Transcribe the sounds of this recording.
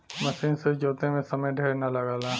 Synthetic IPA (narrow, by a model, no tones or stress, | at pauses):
mɐsiːnsed͡ʒoːt̪ẽmẽsɐməjɖʱeːɾnɐlɐɡaːlaː